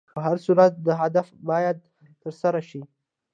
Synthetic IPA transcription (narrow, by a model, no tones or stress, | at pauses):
əɦaɾsuɾat̪̚d̪əɦad̪afbɑjad̪̚ | t̪əɾsaɾaʃi